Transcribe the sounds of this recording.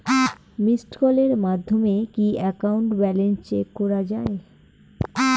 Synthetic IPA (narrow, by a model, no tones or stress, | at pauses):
misʈkɔleɾmad̪ʱːomekiɛkauɳʈbɛlenst͡ɕekːɔɾad͡ʑae